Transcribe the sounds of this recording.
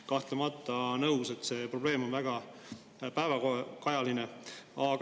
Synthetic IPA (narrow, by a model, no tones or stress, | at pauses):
kɑht̪lemɑt̪ːˑɑnɤwse̞t̪ːˑse̞ːpro̞b̥le̞ːmonvæɡ̥ɑ | pæevɑkokɑjɑlineɑɡ